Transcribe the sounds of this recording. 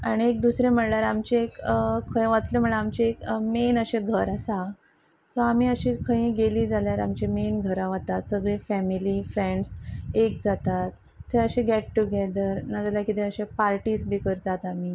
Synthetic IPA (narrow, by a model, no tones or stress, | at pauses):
aɽ̃iek̚d̪usɾẽm̤əɳljaɾamt͡ɕeekkʰə̃jʋat̪lem̤əɭaamt͡ɕeekmenəɕeɡʱəɾasa | soamiːəɕikʰə̃ɦĩːɡeliːd͡zaljaɾa̰mt͡ɕemenɡʱəɾãʋat̪at̪səɡɭẽfɛmiliːfɾẽɳɖsekd͡zat̪at̪ː | eəɕẽɡɛʈʈːuɡɛd̪əɾnad͡zaljakit̪ẽəɕẽpaɾʈiːsbiːkəɾt̪at̪amiː